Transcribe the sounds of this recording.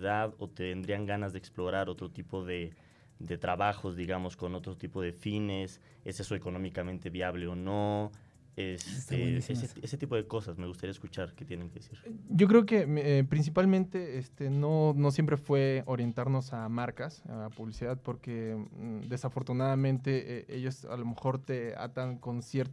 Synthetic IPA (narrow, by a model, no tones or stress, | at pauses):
ðaðo̞t̪eβend̪ɾiaŋɡanazðeeksplo̞ɾaɾo̞t̪ɾot̪ipo̞ðe | ðe̞t̪ɾaβaxo̞zðiɣamo̞sko̞no̞t̪ɾot̪ipo̞ðe̞fines | e̞se̞soeko̞no̞mikamẽnt̪e̞βiaβle̞ono | est̪eeseeset̪ipo̞ðeko̞sasmeɣust̪aɾiaeskut͡ʃaɾket̪jeneŋkeðesiɾɟ͡ʝo̞k̬ɾe̞oke̞epɾins̬ipalmẽnt̪e̞est̪eno̞no̞s̬je̞mpɾe̞fwe̞oɾje̞nt̪aɾno̞samaɾkasa̰puβlisiðað̚po̞ɾke̞d̪e̞safo̞ɾt̪unaðamẽnt̪e̞ʔeʔḛʝo̞sa̰lo̞me̞xo̞ɾt̪e̞a̰t̪aŋkonsje̞ɾt̪